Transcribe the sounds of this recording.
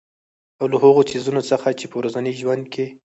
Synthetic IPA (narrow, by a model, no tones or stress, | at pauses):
awlaɦaɣosizunot͡səxat͡ʃepəwɾazanəjʒwand̪̚kʰe